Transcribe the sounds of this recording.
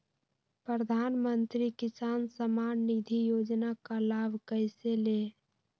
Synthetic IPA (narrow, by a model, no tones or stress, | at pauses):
pɾɾəd̪ʱanmənt̪ɾikisansəmanːid̪ʱijod͡ʒnakalabʱkəɪsele